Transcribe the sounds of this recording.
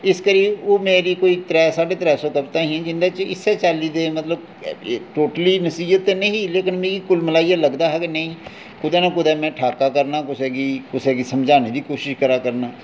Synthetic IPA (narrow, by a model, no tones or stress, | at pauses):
ɪskəɾiʋoːmeːɾikoːit̪ɾɛːsaːɖet̪ɾɛːsõkəbt̪aɦɛ̃d͡ʒɪ̃nd̪at͡ʃɪsːet͡ʃaːlid̪eːmət̪ləb̚ | ʈoːʈəlinəsiːət̪ːenəɦĩleːkɪnmeːɾikʊlmɪlaːijaləɡd̪aɦɛkenəɦĩː | kʊd̪ɛnakʊd̪ɛmẽʈʰaːkakəɾnakʊt͡ʃʰɛːɡikʊt͡ʃʰɛːɡisəmd͡ʒʱaːned̪ikoːʃɪʃkəɾakəɾnaː